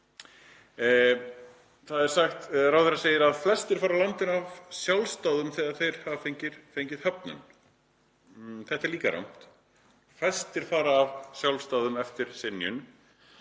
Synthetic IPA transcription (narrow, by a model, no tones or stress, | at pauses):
θaðɛɾ̥saxt̪ɾawθɛɾaseːjɪɾaðflɛst̪ɪɾ̥faːɾalawnt̪ɪnavsjawlst̪aːwðʏmθɛːɣaɾ̥θejɾ̥havafejɲcɪɾ̥fejɲcɪðhœpnʏ̰n | θɛht̪ɛɾliːkaɾa̰wn̥t̪ | flɛst̪ɪɾ̥faːɾaːvsjawlst̪awðʏmɛft̪ɪɾ̥sɪnːjʏ̰n